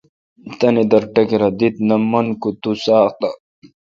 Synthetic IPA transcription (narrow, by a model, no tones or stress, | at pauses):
t̪ɐnid̪ɐɾʈɐkiɾɐd̪it̪̚nɐmɐnkut̪usaːqt̪a